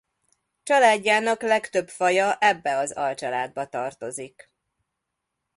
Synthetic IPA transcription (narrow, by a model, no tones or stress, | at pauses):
t͡ʃɒlaːɟːaːnɒklɛkt̪ø̞pfɒjɒʔɛbːɛɒzɒlt͡ʃɒlaːd̪̚bɒt̪ɒrt̪o̞zik